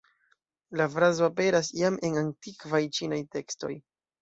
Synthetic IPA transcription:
lafɾazoape̞ɾasiame̞nantikvajt͡ʃinajte̞ksto̞̰j

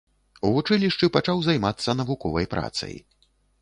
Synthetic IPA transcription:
uvut͡ʂɨlʲiʂt͡ʂɨpat͡ʂawzajmat̪sːɐnɐvukɔvɐjpɾa̰t̪sɐ̰j

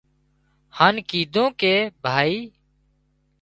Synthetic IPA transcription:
haːnkiːd̪ʱõːkeːbʱaːiː

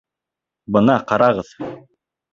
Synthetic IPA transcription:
bɤ̆nɑqɑɾɑʁɤð

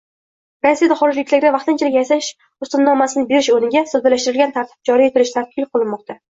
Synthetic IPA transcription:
ɾasːijad̪aχɒɾɪd͡ʒlɪkʲlaɾʲd̪avɑqt̪ɪnt͡ʃʰɪlɪkʲjasaʃ | ʊst̪ɪnːɒmasɪnɪbeɾɪʃonɪɡʲasozb̪alaʃt̪ɪɾɪlɡʲant̪ʰaɾt̪ʰɪ̥b̚d͡ʒɒɾijet̪ʰɪɾɪʃt̪ʰaɾqʰɨlˠqʰɨlˠɪnmɒq̚t̪ʰa

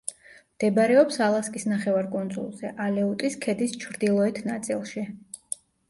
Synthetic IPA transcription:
md̪̥ɛbaɾɛɔpsalˠaskʼisnaχɛvaɾkʼɔnd̪zʼṵlˠz̥ɛʔalɛut̪ʼiskʰɛd̪ist͡ʃʰɾd̪ilˠɔɛt̪ʰnat̪sʼḭlˠʃi

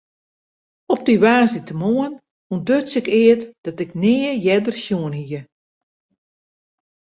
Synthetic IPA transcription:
ɔp̚diʋaːzitəmoən | undøtsɪkɪətd̥ɔtɪknɪːəjɛdərsjuənhiə

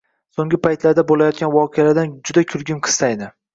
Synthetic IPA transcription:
soŋɡʲɪpʰajt̪laɾd̪abolajɒt̪̚kʲanvɒqʰejalaɾd̪and͡ʒʊd̪akʲʰʊɾɡʲɪnqʰɨ̥st̪ajd̪ɪ

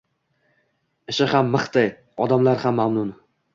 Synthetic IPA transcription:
ɪʃɪhamːɨχt̪ɪj | ɒd̪amlaɾhamːamnʊn

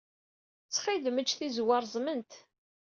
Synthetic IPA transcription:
t͡sːχiðmət͡ʃːθizwɑɾˤzˤmənt̪

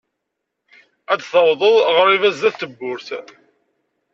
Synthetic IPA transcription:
æt͡sːθɑwðˤəðˤʁəɾivæzðæθt̪ːəbːʊɾθ

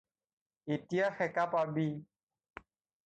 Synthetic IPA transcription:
etijaxɛkapabi

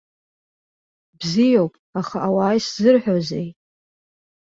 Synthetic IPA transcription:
bzijowpʼaχaʔawaːjszɨrħᶣozejʼ

